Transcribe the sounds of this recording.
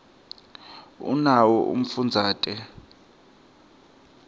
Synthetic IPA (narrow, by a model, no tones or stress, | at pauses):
ṵnawɔʔṵm̩fund͡zʱaːtʼɛ